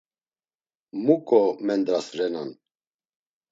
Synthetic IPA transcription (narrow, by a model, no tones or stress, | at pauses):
mukʼɔmɛnd̪ɾasɾɛnan